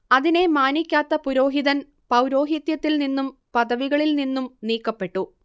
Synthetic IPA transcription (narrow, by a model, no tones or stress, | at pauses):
ɐðine̞maːnikʲːaːt̪ːɐpuɾo̞ːɦiðɐn | pɐwɾo̞ːɦit̪jɐt̪ːilninːumpɐðɐʋiɣɐɭilninːumniːkːɐpːe̞ʈːu